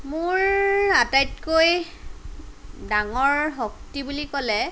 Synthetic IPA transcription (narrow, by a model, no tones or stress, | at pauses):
mʊɹatajtkoj | daŋɔɹɦok̚tibulikɔlɛ